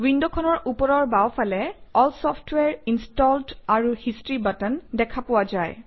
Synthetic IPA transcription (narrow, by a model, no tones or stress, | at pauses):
windɔkʰɔnɔɹʔupɔɹɔɹbawpʰalɛɔlsɔftwɛɹinstɔltaɹuhistɹibatəndɛkʰapʊwazaj